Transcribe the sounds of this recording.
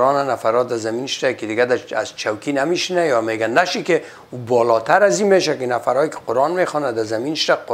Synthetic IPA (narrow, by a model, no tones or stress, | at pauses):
ɔnanafaɾɔd̪azaminʃd̪akid̪ɪɡad̪aazt͡ʃʰawkinamiʃinajɔmeːɡanːaʃike | ubɔːlɔt̪aɾazimeʃakɪnafaɾɔːjkɪ̥qʊɾɑnmexɔnad̪azaminʃt̪aq